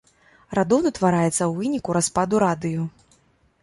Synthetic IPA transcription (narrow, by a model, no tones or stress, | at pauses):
rad̪ɔwnɐt̪vaɾajɛt̪sːɐwvɨnʲikuɾaspad̪uɾad̪ɨju